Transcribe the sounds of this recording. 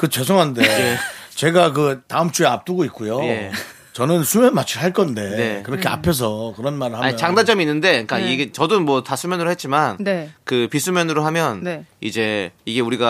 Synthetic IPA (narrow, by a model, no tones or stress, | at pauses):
kɯt͡ɕesʰoŋɦandeet͡ɕe̞ɡak̬ɯtaɯmt͡ɕ͈ueap̚t͈uɡoit̚k͈ujoje̞ | t͡ɕʌnɯnsʰumjʌnmat͡ɕʰiɭɦaɭk͈ʌnde̞ne̞kɯɾʌkʰea̰pʰes̬ʰʌkɯɾʌnmaɾɯɭhaɲit͡ɕaŋdand͡ʑʌminːɯnde̞k͈aiɡet͡ɕʌdomwʌtasʰumjʌnɯɾohe̞t̚t͡ɕ͈imannekɯpisʰumjʌnɯɾoɦamjʌneḭd͡ʑe̞iɡe̞uɾiɡa